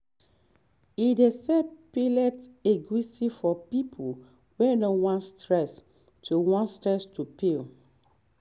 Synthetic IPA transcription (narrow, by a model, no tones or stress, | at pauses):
idesɛpilɛteɡɹisifɔpipʰo | wɛnɔ̃wɔ̃nstɹɛs | tʰuwɔ̃nstɹɛstupil